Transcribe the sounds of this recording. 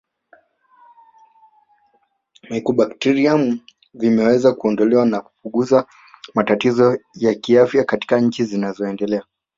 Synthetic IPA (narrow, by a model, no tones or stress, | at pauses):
mɛkuɓaktɛɾiamu | vimɛwɛzakuɔndɔlɛwanaku̥puɠuza | matatizɔjakiafjakati̥kaɲ̩t͡ʃizinazɔɛndɛlɛa